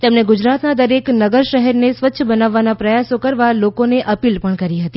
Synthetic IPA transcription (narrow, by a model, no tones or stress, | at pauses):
t̪emneɡud͡ʒɾat̪nad̪əɾeknəɡəɾʃəɦɛɾnesʋət̪ːʃʰəbənaʋːanapɾəjasokəɾʋalokoneʔəpilpəɳkəɾiɦət̪i